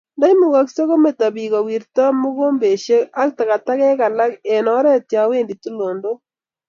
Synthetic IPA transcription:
nda˦i˦mu˨ɣa˦kse˦ɣo˦me˨ta˨bi˨ka˨wi˨ɾta˦mu˦ɣo˦mbe˨ʃe˦a˦kta˨ka˨ta˦kɛ˦ka˨la˦ke˨nɔ˨˦ɾɛ˦tja˨˦we˦ndi˨tu˦lo˨ndo˦

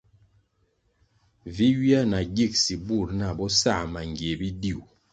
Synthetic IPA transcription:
vi˦wi˦a˦na˨ɡi˦˨k̚si˨bu˦˨ɾna˨bɔ˦sa˦˨ma˨ŋɡje˨bi˦di˦˨u˨

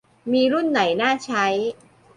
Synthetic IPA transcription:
miː˧ɾu˥˩nːa˩˦jnaː˥˩t͡ɕʰa˦˥j

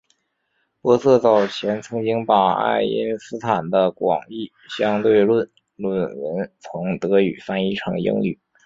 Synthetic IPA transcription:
pwɔ˧˥sɤ˥˧t͡sɑ˥˩ʊt͡ɕʰjɛ˧˥nt͡sʰɤ˧˥ŋt͡ɕi˥ŋpa˨˩a̰˥˩ɪi˥nsɹ̩˥t̪ʰa˨˩nd̪ə˦kwɑ̰˨˩ŋi˥˩ | ɕjɑ˥ŋt̪we˥˧ɪlwə˥˧n | lwə˥˩nwə˧˥nt͡sʰʊ˧˥ŋt̪ɤ˧˥y˨˩fa˥ni˥ʈ͡ʂʰɑ˧˥ŋḭ˥ŋly̰˨˩˦

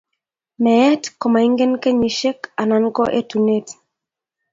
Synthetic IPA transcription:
mɛ˨ɛ˦tkɔ˨ma˨i˦ŋɡɛ˦nkɛ˦ɲi˨ʃɛ˦ka˨na˨nkɔ˦ʔɛ̰˦tu˨nɛt

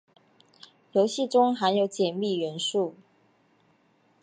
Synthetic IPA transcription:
jo˧˥ʊɕi˥˨ʈ͡ʂʊ˥ŋxa˧˥njo˧˥ʊt͡ɕjɛ˨˩nmi˥˩ɥɛ˧˥nʂu˥˨˩

